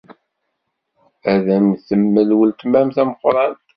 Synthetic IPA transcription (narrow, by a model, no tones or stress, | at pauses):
æðæmθəmːəlwəlt̪mæmθæməqːɾˤɑn